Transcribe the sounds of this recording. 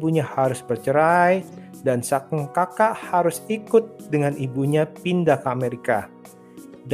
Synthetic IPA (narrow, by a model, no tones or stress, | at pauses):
buɲahaɾʊsbərt͡ʃəɾaj | dansakuŋkakaʔhaɾʊsikʊt̪̚dəŋanibuɲapindakameɾika | d